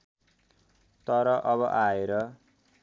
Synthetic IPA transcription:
t̪ʌɾʌʔʌβʌʔaeɾʌ

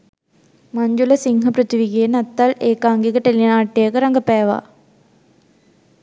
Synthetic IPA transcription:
mɐɲd͡ʒulɐsiŋɦɐpɾət̪iʋiɡenɐt̪ːaleːkaːŋɡikəʈelinaːʈːejəkəɾɐŋɡɐpæːʋa̰ː

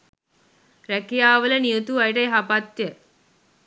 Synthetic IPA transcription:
ɾɛkijaːʋəlɐnijot̪uɐjʈɐjɦɐpat̪jə

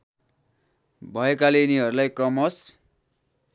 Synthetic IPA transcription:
bʱʌekaleniɦʌɾulajkrʌmʌs

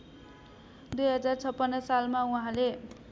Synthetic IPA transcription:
d̪ujɦʌd͡zart͡sʰʌpːʌndʌsalmauɦãle

